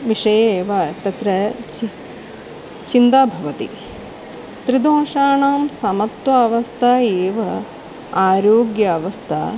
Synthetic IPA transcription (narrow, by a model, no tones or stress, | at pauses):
ʋiʂɐjeːʋaːt̪ɐt̪ɾɐ | t͡ʃind̪aːbʱɐʋɐt̪ḭ | t̪ɾid̪õːʃaːɳaːmsɐmɐt̪ʋɐɐʋɐst̪ʰaːeːʋɐ | aːɾoːɡjɐːʋɐst̪ʰa̰ː